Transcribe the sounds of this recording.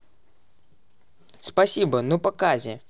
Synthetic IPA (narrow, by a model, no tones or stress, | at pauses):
spasʲibɐnupɐkazʲɛ